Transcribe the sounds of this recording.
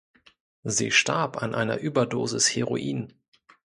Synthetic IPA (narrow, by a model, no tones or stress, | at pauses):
zḭːʃtaɐpa̰nʔaɪnɐ̰ʔyːbɐdoːzɪsheʁo̰ʔiːn